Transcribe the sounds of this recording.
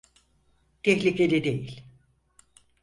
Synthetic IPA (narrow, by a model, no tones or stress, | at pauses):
t̪ʰɛçlʲikʰelʲɛd̪ejilʲ